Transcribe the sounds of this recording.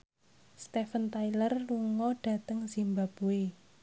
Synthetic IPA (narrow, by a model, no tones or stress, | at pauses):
st̪efənt̪ajlərluŋɔɖ̥a̤t̪əŋz̥imbab̥ue